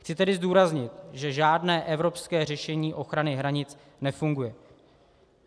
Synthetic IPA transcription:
xt͡sɪt̪ɛdɪzduːɾazɲɪt̪ʒɛʒaːdnɛːʔɛvɾo̞pskɛːr̝ɛʃɛɲiːʔo̞xɾanɪɦɾaɲɪt͡s | nɛfuŋɡujɛ

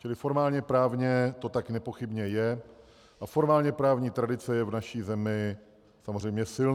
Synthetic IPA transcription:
t͡ʃɪlɪfo̞ɾmaːlɲɛpɾaːvɲɛt̪o̞t̪aknɛpo̞xɪbɲɛjɛ | ʔafo̞ɾmaːlɲɛpɾaːvɲiːt̪ɾadɪt͡sɛjɛvnaʃiːzɛmɪ | samozrɛjmɲɛsɪln

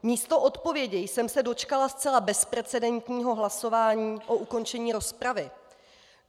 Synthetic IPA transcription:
miːst̪o̞ʔot̪po̞vjɛɟɛjsɛmsɛdo̞t͡ʃkalast͡sɛlabɛspɾɛt͡sɛdɛnt̪ɲiːɦo̞ɦlaso̞vaːɲiːʔo̞ʔuko̞nt͡ʃɛɲiːɾo̞spɾavɪ

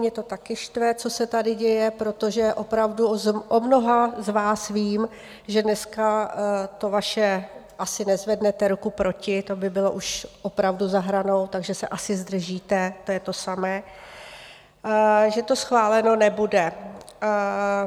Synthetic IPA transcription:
mɲɛt̪o̞t̪akɪʃt̪vɛt͡so̞sɛt̪adɪɟɛjɛpɾo̞t̪o̞ʒɛʔo̞pɾavduʔomno̞ɦazvaːsviːm | ʒɛdnɛskat̪o̞vaʃɛʔasɪnɛzvɛdnɛt̪ɛɾukupɾo̞cɪt̪o̞bɪbɪlo̞ʔuʃʔo̞pɾavduzaɦɾano̞wt̪aɡʒɛsɛ̰ʔasɪzd̪r̩ʒiːt̪ɛt̪ojɛt̪o̞samɛː | ʒɛt̪o̞sxvaːlɛno̞nɛbudɛ

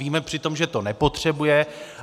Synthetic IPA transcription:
iːmɛpr̥ɪt̪o̞mʒɛt̪o̞nɛpo̞t̪r̝̥ɛbujɛ

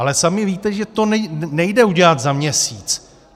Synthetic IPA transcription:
alɛsamɪviːt̪ɛʒɛt̪onɛnɛjdɛuɟɛlat̪zamɲɛsiːt͡s

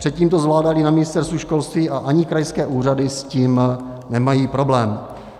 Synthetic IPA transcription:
pr̥ɛt̪̚ciːmt̪o̞zvlaːdalɪnamɪnɪst̪ɛɾst̪vuʃko̞lst̪viːʔaʔaɲɪkɾajskɛːʔuːr̝adɪsciːm | nɛmajiːpɾo̞blɛːm

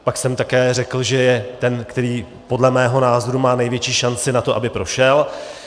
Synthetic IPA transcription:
paksɛmt̪akɛːrɛkl̩ʒɛjɛt̪ɛnkt̪ɛɾiː | po̞dlɛmɛːɦo̞naːzoɾumaːnɛjvjɛt͡ʃiːʃant͡sɪnat̪o̞ʔa̰bɪpɾo̞ʃɛl

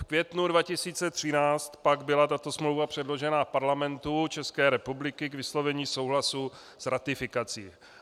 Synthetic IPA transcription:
fkvjɛt̪nudvacɪsiːt͡sɛt̪r̥ɪnaːt͡st̪paɡbɪlat̪at̪o̞smlowvapr̥ɛdlo̞ʒɛnafpaɾlamɛnt̪ut͡ʃɛskɛːɾɛpublɪkɪkvɪslo̞vɛɲiːso̞wɦlasu | sɾat̪ɪfɪkat͡sḭː

